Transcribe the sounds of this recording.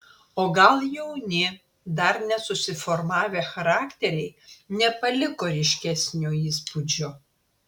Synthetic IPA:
oːɡɐlˠjɛʊnʲɪ | d̪ɐɾnʲɛsʊsʲɪfɔɾmɑːʋʲeːxɐɾɑːkt̪ʲɛɾʲɛɪnʲɛpɐlʲɪkoːɾʲɪʃʲkʲɛsʲnʲoːiːspud͡ʒʲo

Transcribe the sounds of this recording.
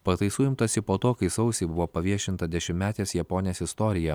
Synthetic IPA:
pɐt̪ɐɪsuːjɪmt̪ɐsʲɪpoːt̪oːkɐɪsɐʊsʲɛɪbʊʋoːpɐʋʲiɛʃʲɪnt̪ɐd̪ʲɛʃʲɪmʲmʲæːt̪ʲeːsjɛpoːnʲjeːsʲɪst̪ɔːɾʲɪjɛ

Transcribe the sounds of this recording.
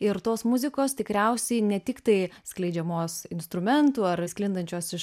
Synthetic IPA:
ɪɾt̪oːsmʊzʲɪkoːst̪ʲɪkɾʲɛʊsʲɛɪnʲɛt̪ʲɪkt̪ɐɪsklʲɛɪd͡ʒʲɛmoːsɪnst̪ɾʊmʲɛnt̪uːɐɾsʲklʲɪnd̪ɐnʲt͡ʃʲoːsɪʃ

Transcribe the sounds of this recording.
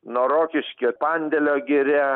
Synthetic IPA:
noːɾoːkʲɪʃʲkʲepɑnʲd̪ʲɛlʲoːɡʲɪɾʲɛ

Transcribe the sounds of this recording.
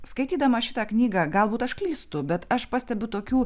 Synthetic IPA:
skɐɪt̪ʲiːd̪ɐmɐʃʲɪt̪ɑːknʲiːɡɑːɡɐlˠbuːt̪ɐʃklʲiːst̪ʊbʲɛt̪ɐʃpɐsʲt̪ʲɛbʲʊt̪oːkʲuː

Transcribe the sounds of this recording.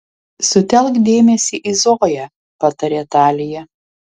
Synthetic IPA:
sʊt̪ʲɛlˠkd̪ʲeːmʲɛsʲiːʔizoːjæ | pɐt̪ɐɾʲɛt̪ɑːlʲɪjɛ

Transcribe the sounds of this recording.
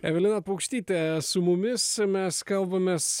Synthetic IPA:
ɛvelˠenapɐɡu̥ʃt̪it̪ɛsumumesmɛskalˠvɐmɛs

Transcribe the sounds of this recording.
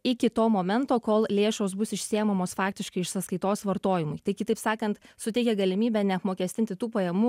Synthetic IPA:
ɪkʲɪt̪oːmoːmʲɛnt̪oːkoːlˠlʲeːʃoːsbʊsɪʃʲsʲɪjɛmɐmoːsfɑːk̚t̪ʲɪʃkɐɪɪʃsɐskɐɪt̪oːsʋɐɾt̪oːjɪmʊɪt̪ɐɪkʲɪt̪ɐɪpsɑːkɐnt̪sʊt̪ʲɛɪkʲɛɡɐlʲɪmʲiːbʲɛnʲɛɐpmoːkʲɛːsʲt̪ʲɪnʲt̪ʲɪt̪uːpɐjɛmuː

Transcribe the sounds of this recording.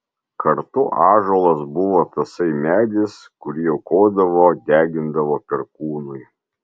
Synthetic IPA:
kʰɐɾt̪ʊʔɑːʒoːlˠɐsbʊʋoːt̪ɐsɐɪmʲæːd̪ʲɪs | kʊɾʲijɛʊkoːd̪ɐʋoːd̪ʲæːɡʲɪnd̪ɐʋoːpʲɛɾkuːnʊɪ

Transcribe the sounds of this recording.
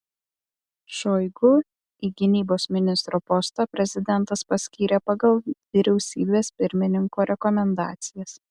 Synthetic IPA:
ʃoːɪɡʊ | iːɡʲɪnʲiːboːsmʲɪnʲɪst̪ɾoːpɔst̪ɑːpʲɾʲɛzʲɪd̪ʲɛnt̪ɐspɐsʲkʲiːɾʲeːpɐɡɐlˠʋʲɪɾʲɛʊsʲiːbʲeːspʲɪɾʲmʲɪnʲɪŋkoːɾʲɛkɔmʲɛnd̪ɑ̰ːt̪sʲɪjɛs

